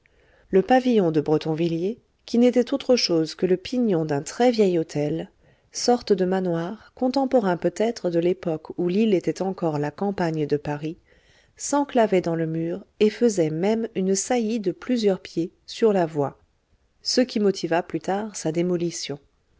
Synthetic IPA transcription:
ləpavijɔ̃d̪əbʁət̪ɔ̃vilje | kʲinet̪ɛt̪ot̪χəʃozkələpiɲɔ̃d̪ɛ̃t̪χɛvjɛjot̪ʰɛl | sɔʁt̪d̪əmanwaʁkɔ̃t̪ɑ̃pɔʁɛ̃pøt̪ɛt̪χəd̪əlepɔkulilet̪ɛt̪ɑ̃kɔʁlakɑ̃paɲd̪əpaʁi | sɑ̃klavɛd̪ɑ̃ləmyːʁefəzɛmɛmynsajid̪əplyzjœʁpje | syʁlavwa | səkʲimɔt̪ʰivaplyt̪aʁsad̪emɔlisjɔ̃

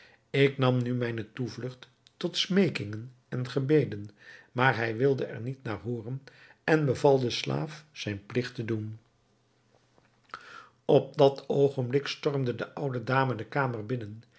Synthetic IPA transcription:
ɪknɑmnymɛjnətuvlɵχtː | ɔtsmejkɪŋən | ɛnχəbejdənmaːɹɦɛjʋɪlˠdəɛ̰ɹnitnaːɹɦoːrən | ɛnbəvɑlˠdəsla̰ːfz̥ɛjnplɪχtədun | ɔp̚dɑtʰowχənblɪkstɔrmdədəʔʌwdədaːmədəkaːmərbɪnən

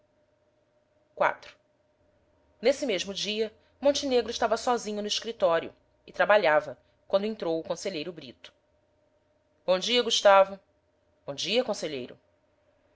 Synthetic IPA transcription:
kwa̰t̪ɾʊ̥ | nesɪmeʒmʊd͡ʒiɐ | mõnt͡ʃineɡɾʊɪʃt̪avɐsɔzĩɲʊnʊɪʃkɾit̪ɔɾjʊ̰ | ɪt̪ɾabaʎavɐ | kwɐ̃nd̪ʊẽt̪ɾowʊkõseʎejɾʊbɾit̪ʊ̥ | b̥õd͡ʒiɐɡuʃt̪avʊ | b̥õd͡ʒiɐkõseʎejɾʊ̰

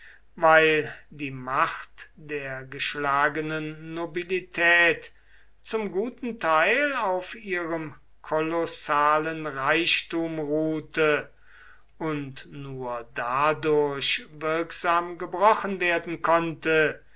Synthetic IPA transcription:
vaɪldiːmaχtd̥eːɐɡəʃlaːɡənənːobilitʰɛːt | t͡sʊmɡuːtn̩tʰaɪlaʊfiːʁəm | kʰɔlɔsaːlənʁaɪʃtuːmʁuːtə | ʊntnuːɐdadʊɐɕvɪɐkz̥aːmɡəbʁɔχənveːɐdn̩kʰɔntə

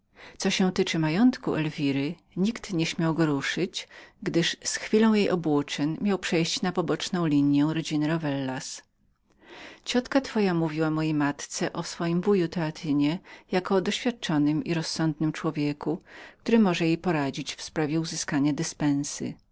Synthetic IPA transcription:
t̪sɔɕɛ̃t̪ɘt͡ʂɘmajɔnt̪kuʔɛlvʲiɾɘ | ɲikt̪ɲɛɕmʲjawɡɔɾuʂɘt͡ɕɡd̪ɘʂsxfʲilɔ̃w̃jejʔɔbwut͡ʂɛɲmʲjawpʂɛjɕt͡ɕnapɔbɔt͡ʂnɔ̃w̃lʲiɲjɛw̃ɾɔd͡ʑinɘɾɔvɛlːas | t͡ɕɔt̪kat̪fɔjamuvʲiwamɔjejmat̪t̪sɛʔɔsfɔjimbujut̪ɛat̪ʰɘɲɛjakɔd̪ɔɕfʲjat̪̚t͡ʂɔnɘmḭɾɔsːɔnd̪nɘmt͡ʂwɔvʲjekuk̚t̪uɾɘmɔʐɛjejpɔɾad͡ʑit͡ɕfspɾavʲjɛuzɘskaɲad̪ɘspɛ̃ñsɘ̰

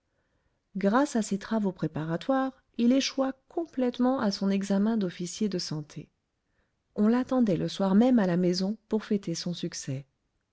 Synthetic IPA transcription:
ɡʁasaset̪χavopχepaʁat̪waʁ | ileʃwakʰɔ̃plɛt̪mɑ̃asɔ̃nɛɡzamɛ̃d̪ɔfisjed̪əsɑ̃t̪ʰe | ɔ̃lat̪ɑ̃d̪ɛləswaʁmɛmalamezɔ̃puʁfɛt̪esɔ̃syksɛ

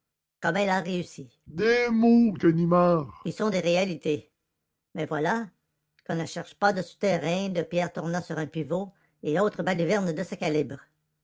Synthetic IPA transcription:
kɔmɛlaʁeysi | d̪emokənimɑːʁkilsɔ̃d̪eʁealit̪e | mɛvwala | kɔ̃nəʃɛʁʃpad̪əsy̥t̪ɛʁɛ̃d̪əpjɛːʁt̪uʁnɑ̃syʁɛ̃pivo | eoːt̪ʁəbalyvɛʁnd̪əsakʲalibʁ

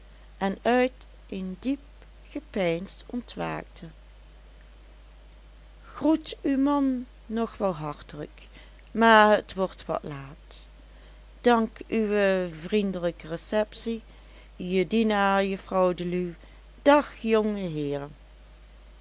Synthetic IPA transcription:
ʔɛnœɥt | ʔɪndip̚ | χəpɛjnstɔntʋa̰ːk̚tʰə | xrutywmɑnː | ɔχʋɛlˠɦɑɹtələ̰k | maːɹɦətʋɔɹtʋɑ̰tlaːt | d̥ɑŋkyʋəvrindələkərəsɛpsi | jədinaːɹjəfrɔwdəly | d̥ɑxjɔŋəɦɪːɹ

